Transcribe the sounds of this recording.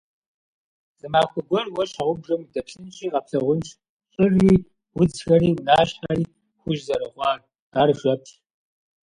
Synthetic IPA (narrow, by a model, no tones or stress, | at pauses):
z̥ɨmaːxʷɔɡʷɔrwɐɕaʁʷʊbʐɐmdɐpɬɨnt͡ʃʼiːʁɐpɬɐʁʷʊnt͡ʃʰʼ | ɕʼɨriː | wʊd͡zxɐriːwʊnaːɕħaːriː | xʷʊʒzɐɾɐʁʷɑːr | aːrʒʷɐpʰɬ